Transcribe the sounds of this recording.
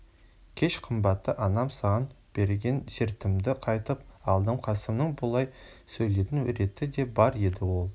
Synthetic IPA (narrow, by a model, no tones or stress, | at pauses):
kʲʰe̞ʃqʰəmbɑt̪ːəʔɑnɑmsɑʁɑn | b̥e̞ɾɡʲe̞nseɾt̪ɪmd̪ɪqʰɑjt̪əpɑlˠd̪əmqʰɑsəmnəɴbʊlˠɑjsɵjle̞t̪ɪnɾe̞t̪ɪd̪e̞bɑɾe̞d̪ɪwo̞lˠ